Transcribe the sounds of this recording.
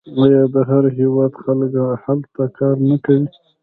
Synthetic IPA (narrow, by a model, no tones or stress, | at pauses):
wɑjɑd̪əɦaɾɦewɑd̪xalkhalt̪akɑɾnakawi